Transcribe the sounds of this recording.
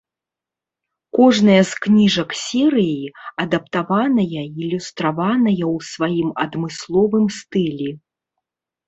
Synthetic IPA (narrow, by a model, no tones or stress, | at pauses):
kɔʐnɐjɐsknʲiʐɐksʲɛɾɨjiɐd̪ɐp̚t̪avanɐjɐilʲust̪ɾavanɐjɐwsvajimɐd̪mɨslˠɔvɨmst̪ɨlʲɛ